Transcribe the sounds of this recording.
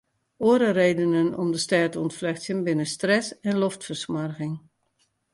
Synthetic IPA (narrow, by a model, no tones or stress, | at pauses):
oəɾəreːdənənɔ̰mdəstɛːtɔntflɛxsjənbɪnəstrɛsɛnloftfərsmarɣɪŋ